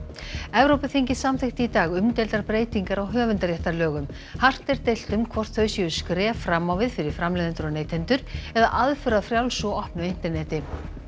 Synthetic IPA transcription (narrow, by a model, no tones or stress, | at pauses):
ɛvɾowpʏθiɲcɪsamθɪht̪ɪit̪aːɣʏmt̪ejlt̪aɾpɾeːjt̪iŋkaɾawɦœːvʏnt̪aɾjɛht̪aɾlœːɣʏm | har̥t̪ɛɾt̪ejl̥t̪ʏmkʰvɔr̥t̪θœɥsiʏskɾɛːfɾamːawvɪðfɪɾɪɾ̥fɾamlɛjðɛnt̪ʏɾɔɣneːjt̪ʰɛnt̪ʏɾ̥ɛða̰ʔaðfʏɾaðfɾjawlsɔɔhpnʏejn̥t̪ɛɾnɛːt̪ɪ